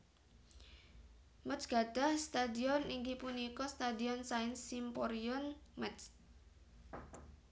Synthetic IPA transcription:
mət͡ʃɡ̥aɖ̥a̤hst̪ad̪iɔniŋkipunikɔst̪ad̪iɔnsaɪnsimpɔɾiɔnmɛt͡ʃ

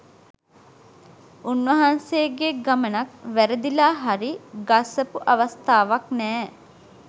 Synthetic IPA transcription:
unʋɐɦansejɡeɡamənakʋæɾəd̪ilaːɦaɾiɡasəpuʔaʋast̪aːʋaknɛː

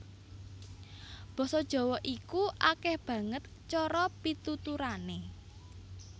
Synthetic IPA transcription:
b̥ɔ̤sɔd̥ʒ̥ɔ̤wɔʔikuʔakɛhb̥ä̤ŋət̪ | t͡ʃɔɾɔpit̪ut̪uɾane

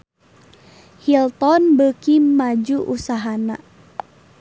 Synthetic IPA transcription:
hilt̪ɔnbəkimad͡ʒuʔusaɦana̰

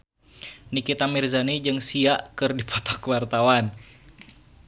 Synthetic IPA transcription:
nikit̪amirzanid͡ʒɨŋsiaʔkɨrdipʰɔt̪ɔ̥kuwart̪awan

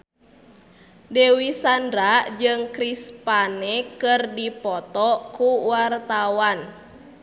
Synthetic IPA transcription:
dewisandɾad͡ʒɨŋkɾispanɛkɨrdipɔt̪ɔkuwart̪awan

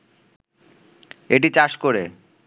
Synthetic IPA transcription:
eʈ̬it͡ɕaʃkoɾe

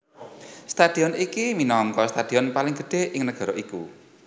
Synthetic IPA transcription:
st̪ad̪̥i̤ɔnikiminɔŋkɔst̪ad̪̥i̤ɔnpalɪŋɡ̥ə̤ɖ̥e̤ɪŋnəɡ̥a̤ɾɔiku

